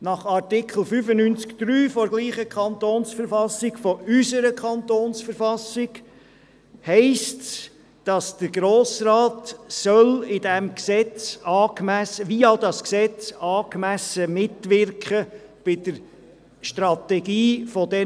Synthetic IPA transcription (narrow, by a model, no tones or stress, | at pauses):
nɑχɑɾtɪkʰl̩ˠfyfənynt͡skd̪̥ɾyːfɔɾɡliːχəkʰɑnt̪oːnsfəɾfɑsɪkfɔʔysəɾəkʰχɑnt̪oːnsfəɾfɑsɪɡ | hɛɪsts | d̥ɑsd̥əɾɡɾoːsrɑːt̪sœlɪdɛmksɛt͡sɑːkmæsəʋiːɑdɑsksɛt͡sɑːkmæsəmɪtʋɪɾkχəb̥ɪd̥əɾ | ʃtɾɑt̪ɛɡiːfɔdɛ